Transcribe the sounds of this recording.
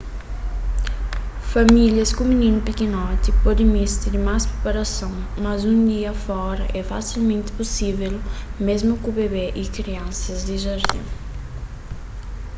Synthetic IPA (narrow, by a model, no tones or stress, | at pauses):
fɐmiljɐskuminĩnʊpikinɔt̪ipɔd̪ẽmist̪iɾimaspɾepɐɾɐsõw̃mɐzũnd̪iɐfɔɾɐʔɛfasilmẽnt̪ɪ̥pusivelmezmʊkubeβeʔikɾiɐ̃nsɐzd̪iʒɐɾd̪ḭ̃